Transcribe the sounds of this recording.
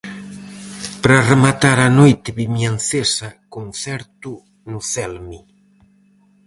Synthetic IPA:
pɾaremat̪aɾanojt̪ɪβimjanθesɐkunθɛɾt̪u | nʊθɛlmi

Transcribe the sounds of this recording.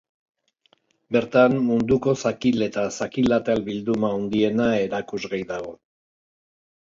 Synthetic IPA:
be̞ɾt̪ammund̪uko̞sakile̞t̪asakilat̪albild̪umaond̪ie̞nae̞ɾakuzɣajðaɣo̞

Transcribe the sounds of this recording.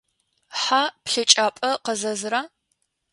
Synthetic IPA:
ħapɬɨt͡ʃʼaːpʼɐqɐzɐzɨɾaː

